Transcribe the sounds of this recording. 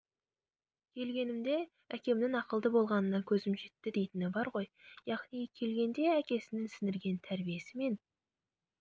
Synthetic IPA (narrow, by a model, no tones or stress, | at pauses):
kʲʰe̞lɡʲe̞nɪmd̪e̞ | ækʲe̞mnɪŋɑqəlˠd̪əbo̞lˠʁɑnənɑkʲʰɵzɪmʒe̞t̪ːɪd̪e̞jt̪ɪnɪbɑɾʁo̞jjɑʁnijkʲʰe̞lɡʲe̞nd̪e̞ækʲe̞sɪnɪnsɪnd̪ɪɾɡʲe̞nt̪ʰæɾbije̞sɪme̞n